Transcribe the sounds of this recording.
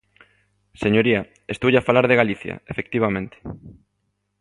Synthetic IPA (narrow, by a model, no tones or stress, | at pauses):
seɲoɾiɐ | est̪uʝafalaɾðeɣaliθjɐ̰efek̚t̪iβ̞amẽnt̪e̥